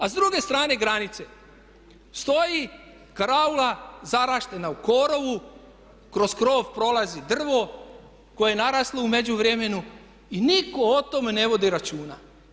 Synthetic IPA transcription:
azd̪ɾuɡe̞st̪ɾaːne̞ɡɾanit̪se̞ | st̪o̞ji | kaɾaulazaɾaːʃt̪e̞nauko̞ɾo̞ʋu | kɾo̞skɾo̞ːʋpɾo̞lˠazid̪r̩ʋo̞ | ko̞jenaɾaːsloume̞d͡ʑuʋɾemenu | iniko̞ot̪o̞mene̞ʋo̞d̪iɾat͡ʃuːna̰

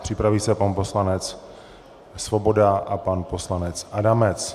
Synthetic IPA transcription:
pr̝̥ɪpɾaviːsɛpanpo̞slanɛt͡s | svobo̞daʔapanpo̞slanɛt͡sʔadamɛt͡s

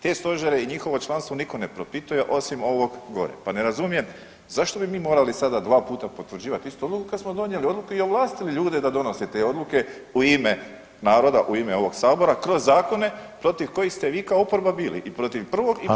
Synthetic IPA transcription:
t̪e̞ːst̪o̞ʒeɾeiɲixo̞ʋo̞t͡ʃlˠanst̪ʋo̞niko̞ne̞pɾo̞pit̪ujeʔo̞simo̞ʋo̞ɡɡo̞̰ɾḛpane̞ɾazumije̞m | zaʃt̪o̞bimiːmo̞ːɾalisad̪ad̪ʋaːpuːt̪apo̞t̪ʋɾ̩d͡ʑiːʋat̪ist̪uo̞d̪lukukad̪smo̞d̪o̞nje̞lio̞d̪lˠukuio̞ʋlˠaːst̪iliʎuːd̪ed̪ad̪o̞no̞set̪eːo̞d̪luke̞uime | naːɾo̞d̪aʔuimeo̞ʋo̞ɡsaːbo̞ɾakɾo̞zːaːko̞ne̞pɾo̞t̪iʋko̞jixst̪e̞ʋiːkaoopoɾbabiːlḭʔipɾo̞t̪iʋpr̩ʋo̞ɡ

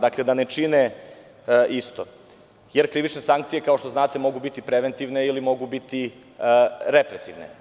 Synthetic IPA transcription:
d̪akled̪ane̞t͡ʂine | ʔist̪o | jeɾkɾiʋit͡ʃnesaŋk̚t̪sijekaoʃt̪o̞znaːt̪e̞mo̞ɡubit̪ipɾeʋent̪iʋneilimo̞ɡubit̪i | ɾepɾesiʋnḛ

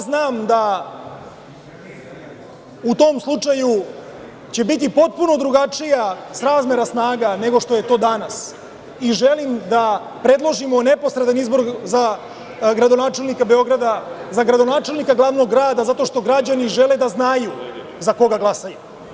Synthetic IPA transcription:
znaːmd̪a | ut̪o̞ːmslˠut͡ʂaju | t͡ɕe̞bit̪̬ipo̞t̪̚puno̞d̪ɾuɡat͡ʂijasɾaːzme̞ɾasnaːɡane̞ɡo̞ʂt̪o̞je̞t̪o̞ːd̪anas | iʒelimd̪a | pɾe̞d̪lˠo̞ʒimo̞ne̞po̞sɾed̪anizbo̞ɾza | ɡɾad̪o̞naːt͡ʃe̞lnikabe̞o̞ɡɾad̪azaɡɾad̪o̞naːt͡ʃe̞lnikaɡlˠaːʋno̞ɡːɾaːd̪azat̪o̞ʃt̪o̞ɡɾad͡ʑaniʒe̞led̪aznaju | zako̞ɡaɡlˠasaju

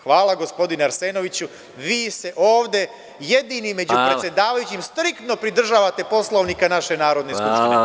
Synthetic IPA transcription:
xʋaːlˠaɡo̞spo̞d̪ineaɾseːno̞ʋit͡ɕu | ʋiːse̞ʔo̞ːʋd̪e̞ | jed̪inimːe̞d͡ʑuppɾejed̪aːʋajut͡ɕimst̪ɾikt̪no̞pɾid̪r̩ʒaːʋat̪e̞po̞slˠo̞ʋnikanaʃe̞naːɾo̞d̪neskuptie

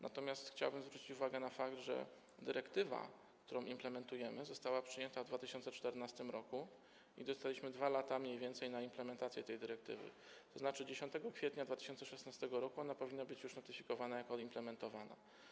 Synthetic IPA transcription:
nʔa̰t̪ɔmʲjast̪xt͡ɕawbɘmzvɾut͡ɕit͡ɕuvaɡɛnafakt̪ʐɛ̰ | d̪ɘɾɛkt̪ɘva̰ | kt̪uɾɔ̃w̃ʔimplɛmɛnt̪ujɛmɘzɔst̪awapʂɘjɛnt̪avd̪vat̪ɘɕɔnt̪sɛt͡ʂt̪ɛɾnast̪ɘmɾɔku | id̪ɔst̪alʲiɕmɘd̪valat̪amɲejvʲjɛnt̪sɛjnaimplɛmɛnt̪at̪sʲjɛt̪ɛjd̪ɘɾɛk̚t̪ɘ̰vɘ̰ | t̪ɔznat͡ʂɘd͡ʑeɕɔnt̪ɛɡɔkfʲɛt̪ɲad̪vat̪ɘ̥ɕɔnt̪sɛʂɛsnast̪ɛɡɔɾɔkuɔnapɔvʲinːabɘt͡ɕjuʂnɔt̪ɘfʲikɔvanajakɔimplɛmɛnt̪ɔvana̰

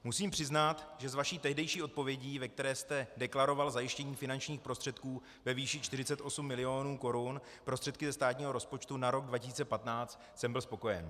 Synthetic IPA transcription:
musiːmpr̥ɪznat̪ʒɛzvaʃiːt̪ɛɦdɛjʃiːʔo̞t̪̚po̞vjɛɟiːvɛk̚t̪ɛɾɛːst̪ɛdɛklaɾo̞valzajɪʃcɛɲiːfɪnant͡ʃɲiːxpɾo̞st̪r̥ɛt̪kuː | vɛviːʃɪt͡ʃt̪ɪrɪt͡sɛt̪ʔo̞sumːɪlɪo̞nuːko̞ɾun | pɾost̪r̥ɛt̪̚kɪzɛst̪aːt̪ɲiːɦo̞ɾo̞spot͡ʃt̪unaɾo̞ɡ̚dvacɪs̬iːt͡sɛpat̪naːt͡st̪ | sɛmbɪlspo̞ko̞jɛ̰n

